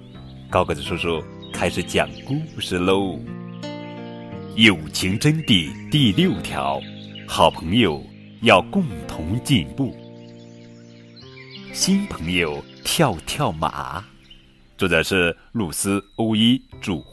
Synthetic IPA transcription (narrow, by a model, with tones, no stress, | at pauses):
kɑ˥ʊkɤ˧˥˩t͡sɹ̩˨˩ʂwɔ˥ʂwɔ˥ | kʰa˥ɪʂɻ̩˧˩t͡ɕjɑ̰˨˩ŋku˥˧ʂɻ̩˥˩lo˥ʊ˨˩ | jo˨˩ʊt͡ɕʰi˧˥ŋʈ͡ʂə˥nt̪i˥˧˩t̪i˥˧ljo˥˩ʊt̪ʰjɑ̰˧˥ʊxɑ˨˩ʊpʰɤ˧˥ŋjo˨˧˩ʊ | jɑ˥˧ʊkʊ˥˩ŋt̪ʰʊ˧˥ŋt͡ɕi˥˧npu˥˩ | ɕi˥npʰɤ˧˥ŋjo˨˩ʊt̪ʰjɑ˥˧ʊt̪ʰjɑ˥˩ʊma̰˨˩˦ | t͡swɔ˥˩ʈ͡ʂə˨˩ʂɻ̩˥˩ | lu˥˨˩sɹ̩˥o˥ʊi˥ʈ͡ʂu˨˩